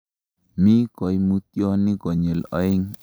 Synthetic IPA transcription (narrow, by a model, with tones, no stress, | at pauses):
mi˦kɔ˨jmu˦t̪̚jɔ˦ni˦ɡɔ˨ɲe˨lɔ̰˨˦ɪ˦ŋ